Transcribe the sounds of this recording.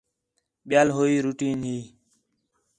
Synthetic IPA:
ɓɪjaːlɦoːiːɾuːʈiːnɦiː

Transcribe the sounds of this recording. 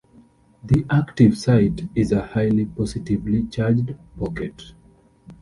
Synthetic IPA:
ðiʔaktiv̥saɪtizəhaɪlipɔsitivlit͡ʃad͡ʒdpɔkɛt

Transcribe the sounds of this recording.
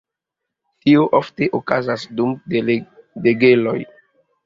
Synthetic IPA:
tioʔofte̞ʔokazasdum | deɡelo̞j

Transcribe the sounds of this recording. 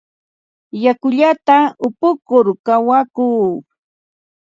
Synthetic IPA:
jakʊʎat̪aʊpʊkʊɾkawakuː

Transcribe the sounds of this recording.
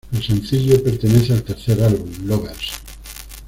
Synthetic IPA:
losẽnθiʎopeɾt̪eneθealt̪eɾθeɾalβunloɣels

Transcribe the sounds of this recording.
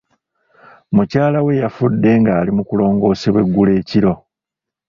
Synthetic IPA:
mucaːlawe̞jafudːe̞ŋɡaːlimukulo̞ːŋɡo̞ːseβwe̞ɡːule̞ːciɾo̞

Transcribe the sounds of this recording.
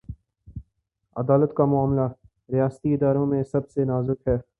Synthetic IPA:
ɐ̰d̪aːlət̪kamʊaːmla | ɾɪjaːst̪iɪd̪aːɾõmẽsɐbsenaːzʊkɦɛː

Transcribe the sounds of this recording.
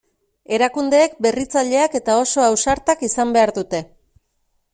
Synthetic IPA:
e̞ɾakund̪e̞ːkbe̞rit͡saʎe̞ake̞t̪ao̞so̞awsaɾt̪akisambe̞aɾðut̪e̞

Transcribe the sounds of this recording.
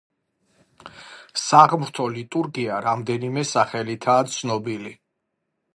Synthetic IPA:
saʁmɾt̪ʰɔlit̪ʼuɾɡiaɾamd̪ɛnimɛsaχɛlit̪ʰaːt̪sʰnɔbili

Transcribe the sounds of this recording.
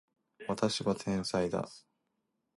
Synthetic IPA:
βat̪aɕiβat̪ʰẽ̞ɰ̃said̪a̰

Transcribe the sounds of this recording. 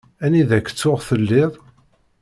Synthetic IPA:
æniðækːt͡sːʊʁθəlːɪðˤ

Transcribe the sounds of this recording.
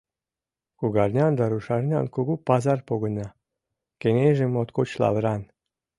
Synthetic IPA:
kuɣɑrnʲɑnd̪ɑɾuʃɑrnʲɑ̰nkoɡupɑzɑrpoɣɤ̆nɑ | kenʲeʒĕmot̪kot͡ɕlɑ̰βɾɑn

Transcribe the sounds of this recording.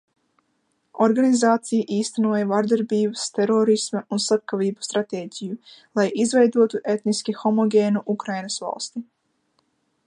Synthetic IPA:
ɔɾɡanizaːt̪sijaʔiːst̪anuɔjavaɾd̪aɾbiːbəst̪ɛɾɔːɾismɐunsap̚kaviːbu̥st̪ɾat̪eːɟʲijulˠajʔizvɛjd̪uɔt̪uʔet̪niskʲixɔmɔɡʲeːnuʔukɾajnasva̰lˠst̪i

